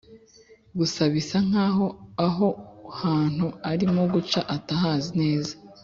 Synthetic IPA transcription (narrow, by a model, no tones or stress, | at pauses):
ɡusaβisaŋ̥aːɦo̞aɦo̞haːn̥huaɾimoɡut͡ʃaʔataɦaːzine̞ːza